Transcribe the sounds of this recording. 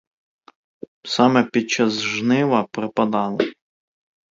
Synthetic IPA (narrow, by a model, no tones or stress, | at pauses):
sɑmɛpʲid̪̚t͡ʃɑzʒnɪʋɐpɾɪpɐd̪ɑlˠe